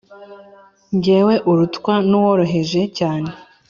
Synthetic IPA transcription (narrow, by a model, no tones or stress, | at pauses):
ɲɟeːwe̞ʔuɾutkwanuwo̞ɾo̞ɦe̞ʒe̞caːne̞